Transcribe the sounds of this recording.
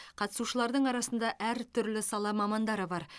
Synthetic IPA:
qʰɑt̪əsuʃəlˠɑɾd̪əɴɑɾɑsənd̪ɑʔæɾt̪ʰʏɾlɪsɑlˠɑmɑmɑnd̪ɑɾəbɑɾ

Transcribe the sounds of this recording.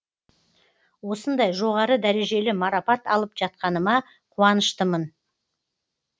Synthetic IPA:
wo̞sənd̪ɑjʒo̞ʁɑɾəd̪æɾe̞ʒe̞lɪmɑɾɑpɑt̪ɑ̰lˠəpʒɑt̪̚qɑnəmɑ | qʰuɑnəʃt̪əmən

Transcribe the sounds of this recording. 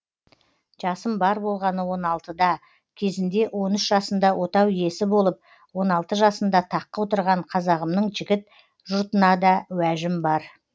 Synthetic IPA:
ʒ̥ɑsəmbɑɾbo̞lˠʁɑnəwo̞nɑlˠt̪əd̪ɑ | kʲʰe̞zɪnd̪e̞wo̞nʏʃʒɑsənd̪ɑwʔo̞t̪ɑwje̞sɪbo̞lˠəp̚ | wo̞nɑlˠt̪əʒɑsənd̪ɑt̪ʰɑqːəwo̞t̪əɾʁɑɴqʰɑzɑʁəmnəɴʒɪɡʲɪt̪̚ | ʒʊɾt̪ənɑd̪ɑwæʒɪmbɑɾ

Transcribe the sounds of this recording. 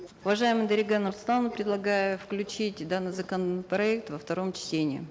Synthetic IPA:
ʊvɐʐajɪmɨjd̪əɾʲɪɡanort̪st̪anʊpɾʲɪd̪lˠɐɡajʊfklʲʉt͡ɕitʲd̪anːɨjzəkənəpɾɐɛk̚t̪vəft̪ɐɾo̞mt͡ɕtʲenʲɪ̰ɪ̰

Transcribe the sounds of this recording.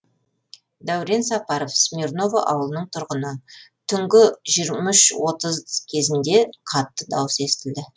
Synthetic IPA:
d̪æwɾensɑpɑɾofsmʲirno̞va̰ʔɑ̰wəlˠənəɴt̪ʰʊɾʁənət̪ʰʏŋɡʲɪʒiɾmʏʃwo̞t̪əzkʲʰe̞zɪnd̪e̞qʰɑt̪ːəd̪ɑwəse̞st̪ɪld̪ɪ

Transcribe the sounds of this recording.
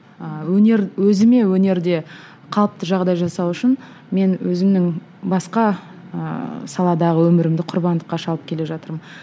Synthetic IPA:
əwɵneɾwɵzɪme̞wɵne̞ɾd̪e̞ | qʰɑlˠəp̚t̪əʒɑʁd̪ɑjʒɑsɑwʏʃɪn | me̞nwɵzɪmnɪŋ | bɑsqɑ | ə̰sɑlˠɑd̪ɑʁəwɵmɪɾɪmd̪ɪqʰʊɾbɑnd̪əqːɑʃɑlˠəpkʲʰe̞le̞ʒɑt̪əɾmən

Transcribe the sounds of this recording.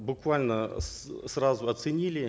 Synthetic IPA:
bʊkvalʲnəs | srazʊɐt̪sɨnʲilʲɪ

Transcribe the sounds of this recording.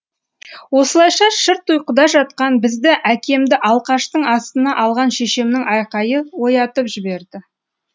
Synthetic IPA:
wo̞səlˠɑjʃɑʃɪɾt̪ujqəd̪ɑʒɑt̪̚qɑnbɪzd̪ɪʔækʲe̞md̪ɪʔɑlˠqɑʃt̪əɴɑst̪ənɑʔɑlˠʁɑnʃe̞ʃemnɪŋʔɑjqɑjəwo̞jɑt̪əpʒɪbe̞ɾd̪ɪ

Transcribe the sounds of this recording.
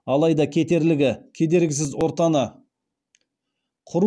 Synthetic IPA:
ɑlˠɑjd̪ɑkʲʰe̞t̪e̞ɾlɪɡʲɪkʲʰe̞d̪e̞ɾɡʲɪs̬ɪzwo̞ɾt̪ɑnə | qʰʊɾu

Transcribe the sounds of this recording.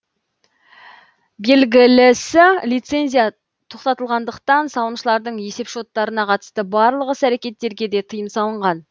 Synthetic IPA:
be̞lɡʲɪlɪsɪlijt̪se̞nzʲijɑ | t̪ʰo̞qt̪ɑt̪əlˠʁɑnd̪əqt̪ɑnsɑlˠəmʃəlˠɑɾd̪əɴje̞se̞pʃo̞t̪ːɑɾənɑqʰɑt̪ə̥st̪əbɑɾlˠəʁəsæɾe̞kʲe̞t̪ːe̞ɾɡʲe̞d̪e̞t̪ʰəjəmsɑlˠəɴʁɑn

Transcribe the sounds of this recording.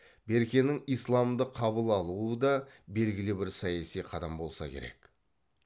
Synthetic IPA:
be̞ɾkʲe̞nɪŋijslˠɑmd̪əqʰɑβəlˠɑlˠuəd̪ɑbe̞lɡʲɪlɪbɪɾsɑjɑsijqʰɑd̪ɑmbo̞lˠsɑ̰kʲʰe̞ɾe̞̰k

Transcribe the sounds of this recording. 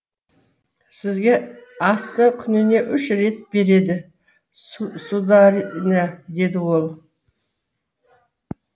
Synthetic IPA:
sɪzɡʲe̞ɑst̪əkʲʰʏnɪne̞ʔʏʃɾe̞t̪̚be̞ɾe̞d̪ɪ | sud̪ɑɾned̪e̞d̪ɪwo̞lˠ

